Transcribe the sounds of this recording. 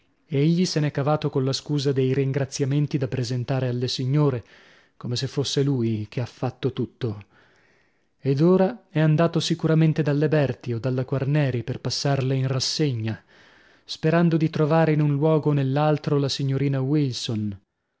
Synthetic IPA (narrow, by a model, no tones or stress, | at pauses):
eʎːisenɛkːavaːt̪okonlaskuːzad̪ejɾiŋɡɾat̪sːjament̪id̪apːɾezent̪aːɾealːesiɲːoːɾe | komesefːosːeluːjk̟ʰeafːat̪ːot̪ut̪ːo | ed̪oːɾaɛand̪aːt̪osikuɾament̪ed̪alːebɛrt̪iod̪alːakwarnɛːɾiperpasːarleinrasːeɲːa | speɾand̪od̪it̪ɾovaːɾeinunlwɔːɡonelːalt̪ɾolasiɲːoɾiːnawilson